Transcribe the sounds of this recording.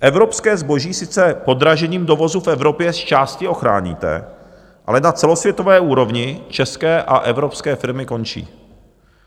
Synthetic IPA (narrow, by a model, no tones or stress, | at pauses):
ʔɛvɾo̞pskɛːzbo̞ʒiːsɪt͡sɛpo̞d̪ɾaʒɛɲiːmdo̞vo̞zufɛvɾo̞pjɛst͡ʃaːscɪo̞xɾa̰ːɲḭːt̪ɛ̰ | ʔa̰lɛnat͡sɛlo̞svjɛt̪o̞vɛːuːɾo̞vɲɪt͡ʃɛskɛːʔaʔɛvɾo̞pskɛːfɪɾmɪko̞nt͡ʃḭː